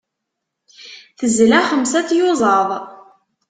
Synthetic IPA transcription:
θəzlæχəmsæθjʊzˤɑðˤ

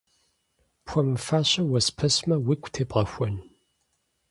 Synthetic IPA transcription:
pʰʷɔmfaːɕɐwɐspʰɐsmɐwikʷʰʼtʰeːpʼʁɐxʷɔn

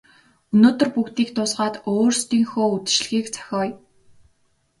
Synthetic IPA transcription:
ɵnoːt̪ɵ̆rpukt̪iːkt̪ʊsʁaːt̪oːrst̪iːŋxoːut͡s̪̆t͡ɕɮ̆xiːkt͡sʰḁxʲɔːj

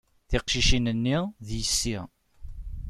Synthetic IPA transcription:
θɪqʃiʃinənːiðjəsːi

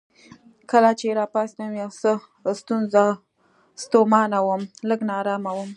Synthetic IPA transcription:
kəlat͡ʃeɾɑpɑsnawiawsə | st̪unza | st̪omɑnawəmləɡnɑɾɑmawəm

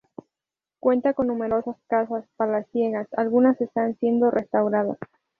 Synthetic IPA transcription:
kwe̞nt̪ako̞nːũme̞ɾo̞saskasaspalasje̞ɣasa̰lɣunase̞st̪ansje̞nd̪o̞rʔe̞st̪awɾaða̰s

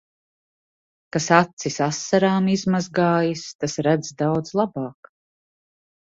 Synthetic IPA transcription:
kasat̪sisasːaɾaːmizmazɡaːjist̪asɾæd̪zd̪awd̪zlˠabaːk

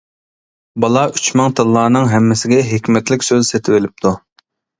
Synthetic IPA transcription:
bɑlˠɑʔyt͡ʃmɑŋt̪ʰɨlˠːɑːnɨŋɦɛmːɪsɪɡʲɛɦekʲmɛt̪lɪkʲsøzset̪ʰɪwɪlɪp̚t̪ʰu

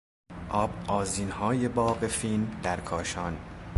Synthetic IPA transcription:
ʔɒːbʔɒːziːnhɒːje̞bɒːɢe̞filmmd̪æɾkʰɒːʃɒːn

